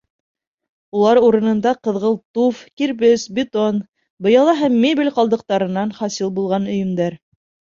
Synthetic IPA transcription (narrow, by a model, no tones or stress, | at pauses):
ulˠɑɾuɾɤ̆nɤ̆nd̪ɑqɤ̆ðʁɤlˠt̪ufkiɾβɘsbʲɪt̪on | bɤ̆jɑlˠɑɦæmːebʲilʲqɑlˠd̪ɤ̆q̚t̪ɑɾɤ̆nːɑnχɑsilˠbulˠʁɑnɵ̆jɵ̆md̪æɾ